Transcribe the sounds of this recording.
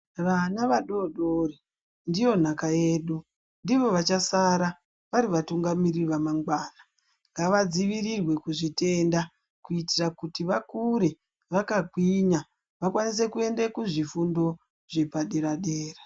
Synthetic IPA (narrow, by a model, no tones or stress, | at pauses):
ʋanaʋaɗo̞ɗore | ndijo̞n̤akajeːɗu | ndiʋo̞ʋat͡ʃasaɾa | ʋaɾiʋatuŋɡamiriʋamaŋɡwaːna | ŋɡaʋad͡ziʋirirwe̞kuʐite̞nda | kuitirakutiʋakuɾe̞ | ʋakakwiɲa | ʋakwanis̬e̞kue̞ndekuʐifundo̞ | ʐ̥e̞paɗeɾaɗeːra